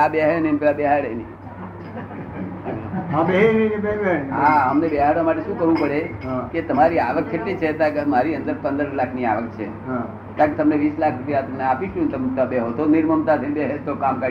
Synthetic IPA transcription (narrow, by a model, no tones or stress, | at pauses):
abeɦenemt̪abɛɦaɽeni | ɦabeɦenenbeɾbeɦaəmnebeɦaɽʋamaʈeʃũkəɦʋũpəɽeket̪əmaɾiaʋəkːkʰeʈlit͡ʃʰet̪ãkmaɾiənd̪əɾpə̃nd̪əɾlakʰniaʋək̚t͡ʃʰḛ | t̪ãket̪əmneʋislakʰɾupjat̪əmneapiʃũnt̪əmt̪abeɦot̪oniɾməmt̪at̪ʰebeɦet̪okamkə